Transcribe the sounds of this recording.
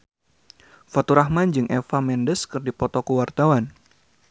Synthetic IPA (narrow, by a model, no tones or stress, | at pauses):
fat̪uɾahmand͡ʒɨŋʔɛfamɛndəskɨrdipɔt̪ɔkuwart̪awan